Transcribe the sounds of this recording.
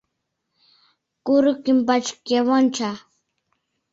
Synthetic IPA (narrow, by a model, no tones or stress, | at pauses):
kʊɾʊkɪmpat͡ʃkjawant͡ʃa